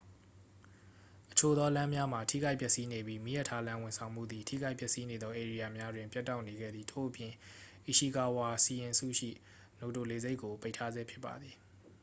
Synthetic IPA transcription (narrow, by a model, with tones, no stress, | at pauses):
ʔə̥t͡ɕʰo˨d̪ɔ˦lã˦mja˦m̥a˨tʰḭ˦˨ɡa˦ɪpjɛ˦ʔsi˦ne˨bji˦mḭ˦˨jɛ˦˨tʰːa˦lã˦wʊ̃˨nsʰã˨ʊ̃m̥ṵ˦˨d̪ði˨tʰḭ˦˨ɡa˦ɪʔpjɛ˦ʔsi˦ne˨d̪ðɔ˦ʔe˨ɹi˨ja˨mja˦dwɪ̃˨mpjɛ˦tːa˦˨ʊʔne˨ɡɛ̰˦˨d̪ði˨tʰo̰˦˨ʔəpjɪ̃˨ʔi˨ʃi˨ka˨wa˨si˨jɪ̃˨sṵ˦˨ʃḭ˦˨ | no˨t̬o˨le˨ze˦ɪʔkːo˨pe˦ɪʔtʰːa˦zɛ˦pʰjɪ˦pːa̰˨d̪ði˨